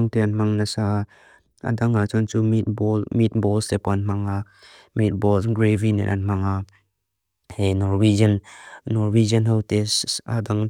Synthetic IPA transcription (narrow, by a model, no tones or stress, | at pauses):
ŋt̪ɛanm̥aŋnasa | ʔa̰daŋat͡sɔnt͡sumit̪̚bɔlmit̪̚bɔlsɛpɔanm̥aŋa | mit̪̚bɔlɡɾevinɛ̰ʔa̰nm̥aŋa | hɛnɔrwid͡ʒənːɔrwid͡ʒənɦɔwt̪ɛsa̰daŋ